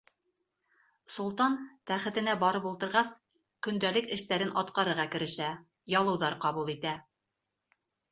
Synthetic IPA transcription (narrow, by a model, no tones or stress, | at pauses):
sŭlˠt̪ɑnt̪æχɘ̆t̪ɘ̆næbɑɾɤpulˠt̪ɤ̆ɾʁɑs | kɵ̆nd̪ælɘkɘ̆ʃt̪æɾɘnʔɑt̪qɑɾɤ̆ɾʁɑkɘ̆ɾɘ̆ʃæ | jɑlˠɤ̆wðɑɾqɑβulˠit̪æ